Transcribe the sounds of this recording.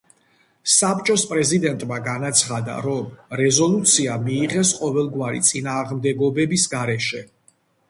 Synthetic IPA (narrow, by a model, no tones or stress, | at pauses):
sap̚t͡ʃʼɔspʼɾɛzid̪ɛnt̪ʼmaɡanat̪sʰχad̪a̰ɾɔmɾɛzɔlˠut̪sʰiamiːʁɛsqʼɔvɛlˠɡwaɾḭt̪sʼinaːʁmd̪ɛɡɔbɛbisɡaɾɛʃɛ